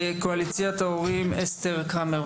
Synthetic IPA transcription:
koalit͡sjat̪aoʁimest̪eʁkame

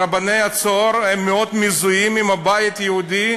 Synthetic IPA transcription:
abanejat͡soɾhemːeod̪mizujimimabajit̪jehud̪i

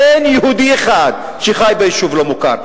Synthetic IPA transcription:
enjehud̪ieχad̪̚ | ʃeχajbejiʃuvlo̞muka̰ɾ

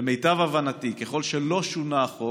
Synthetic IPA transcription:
eme̞jtavavanatikeχo̞lʃelo̞ʃunaːχo

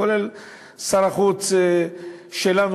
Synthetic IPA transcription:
olel | saɾaχut͡s | ʃelan

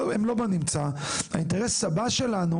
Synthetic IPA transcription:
emlo̞banimt͡sa | ha̰inteʁesːabaʃe̞lanu

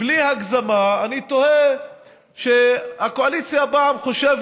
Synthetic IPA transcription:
blihaɡzamaːnit̪o̞he | ʃehakoalit͡sjabamχo̞ʃev

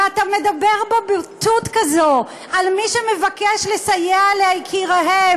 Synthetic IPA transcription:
atamedabe̞ʁbo̞bitutkazo | ʔalmiʃeme̞vakeʃlesajealehajkʰiʁaɦe

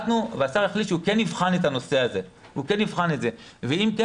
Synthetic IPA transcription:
t̪nuveasaʁeχlitʃukenːivχanetano̞se̞aze̞ | hukenːivχane̞tzeveimke

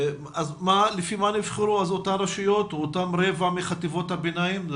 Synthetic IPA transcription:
azmalefimanifχeɾuazotamɾaʃujo̞t̪ot̪amɾevamiχat̪ivo̞t̪habenaim

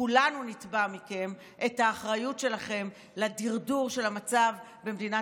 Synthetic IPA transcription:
ulanunitbamike̞m | ʔe̞thaːχʁajutʃe̞laχe̞m | ladiʁduʁʃe̞lamat͡sav | bemd̪ina

